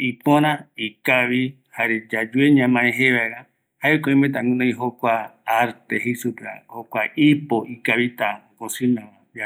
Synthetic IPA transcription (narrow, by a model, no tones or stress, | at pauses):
ipõɾ̃ãikaβi | haɾed͡ʒad͡ʒueɲãmãẽɦeβaeɾa | haekoĩmẽt̪ãŋũnõj̃ɦokʷaaɾt̪eɦesupea̰hokʷaipoʔikaβit̪aokõsĩnããa